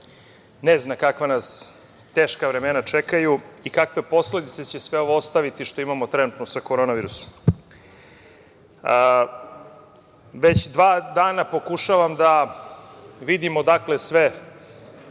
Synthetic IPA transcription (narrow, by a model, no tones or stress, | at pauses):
neznakakʋanas | t̪eːʃkaʋɾemenat͡ʂekajuikakʋe̞po̞sle̞d̪it̪se̞t͡ɕesʋeo̞ʋoost̪aʋit̪iʃt̪o̞imamo̞t̪ɾenut̪nosakoɾonaʋiːɾuso̥m | ʋet͡ɕd̪ʋaːd̪aːnapo̞kuʃaʋamd̪a | ʋid̪imo̞d̪akle̞sʋe